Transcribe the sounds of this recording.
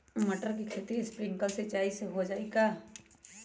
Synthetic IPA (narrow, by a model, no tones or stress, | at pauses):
mɐʈəɾkikʰeːt̪ieɪspɾɪ̃ŋɡkəlsɪt͡ʃaːiseɦod͡ʒaːeɡaː